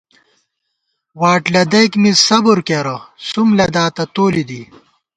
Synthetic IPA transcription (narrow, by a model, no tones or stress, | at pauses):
waːʈlɐd̪ɐjkmisɐbuɾkeɾɐsumlɐd̪aːt̪ɐt̪oːlid̪i